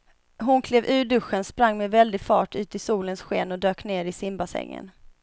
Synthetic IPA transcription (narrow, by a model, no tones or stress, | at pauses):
ɦʊnkʰleːvʉ̟ːɖɵɧənspɾaŋːmɛvɛld̪ɪɡfɑ̰ːʈʉ̟ːt̪ɪsuːlənsɧḛːnɔd̪øːkneːɾɪsɪmbasɛ̰ŋːə̰n